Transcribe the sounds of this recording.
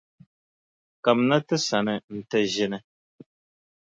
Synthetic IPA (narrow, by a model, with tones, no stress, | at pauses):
ka˨mna˦tɨ˦sa˨nɨ˨n̩˨tɛ˦ʒi˦nɨ˦